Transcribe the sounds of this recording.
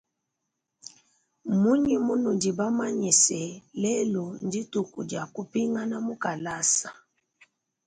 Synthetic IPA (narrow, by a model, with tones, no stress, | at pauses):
mu˦ɲi˨mu˦nu˨di˨ba˦ma˦ɲi˨sɛ˨lɛ˦lɔ˨ndi˦tu˨ku˨dja˨ku˨pi˦ŋɡa˦na˦mu˦ka˨la˦sa˨